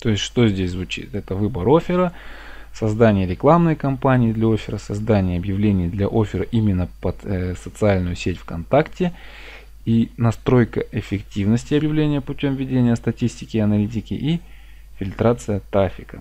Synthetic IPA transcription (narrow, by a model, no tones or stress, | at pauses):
t̪o̞ɪsʲtʲʂt̪o̞zʲdʲesʲzvʊt͡ɕḭt̪ɛt̪əvɨbəɾo̞fʲɪɾəsɐzd̪anʲɪjəɾʲɪklˠamnəjkɐmpanʲɪːd̪lʲɐo̞fʲɪɾəsɐzd̪anʲɪjəɐbjɪvlʲenʲɪjd̪lʲɐʔo̞fʲɪɾəʔimʲɪnːəpət̪sət̪sɨalʲnʊjʊsʲetʲfkɐnt̪aktʲɪ | inɐst̪ɾo̞jkəʔɪfʲɪktʲivnəsʲtʲɪɐbjɪvlʲenʲɪjəpʊtʲo̞mvʲɪdʲenʲɪjəst̪ɐtʲisʲtʲɪkʲɪɐnɐlʲit̬ʲɪkʲɪ̰ʔi | fʲɪlʲt̪ɾat̪sɨjət̪ɾafʲɪkə̰